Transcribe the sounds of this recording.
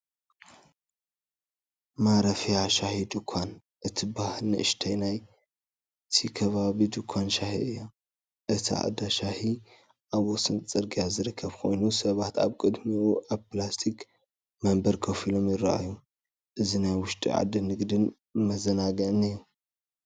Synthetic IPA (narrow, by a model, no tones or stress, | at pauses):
maɾɐfijaʃahid̪ɨkʷʰan | ʔɨt̪ʰibahlnɨ̰ʔɨ̰ʃt̪ʰɐjnaj | t̪ʰikʰɐβaβid̪ɨkʰʷːanʃahḭʔɨjːa | ʔɨt̪ʰiʔa̰d̪aʃahi | ʔaβosɨnt͡sʼɨɾɡijazɨɾɨkʰːɐβkʰo̞̰jnusɐβat̪a̰βkʼɨd̪miʔuʔaβplast̪ʰik | mɐmbɐɾkʰɐfilo̞mjɪɾa̰ʔa̰ju | ʔɨzinajwʊʃt̪ʼḭʕa̰d̪ɨnɨɡd̪ɨn | mɐzɐnaɡɐʔnɨjːu